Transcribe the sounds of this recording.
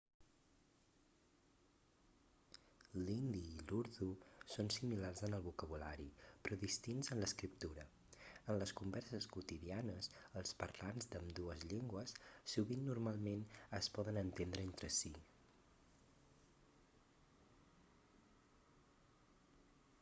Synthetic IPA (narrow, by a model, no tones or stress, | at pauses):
lind̪iːluɾðusonsimilarzənəlˠβukəβ̞ula̰ɾipɾɔðist̪inzənləskɾip̚t̪uɾə | ənləskumbɛɾsəskut̪iðianəsəlˠspəɾlanzd̪əmd̪uəzʎeŋɡwəsːuβinːurmalˠmenəspɔðənənt̪end̪ɾəent̪ɾəsi